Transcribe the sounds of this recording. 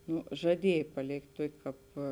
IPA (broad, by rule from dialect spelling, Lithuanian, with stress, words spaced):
ˈnoː ʒɐˈdʲiɛj pɐˈlʲeːktʲ ˈtuɔkʲeː ˈkɑːp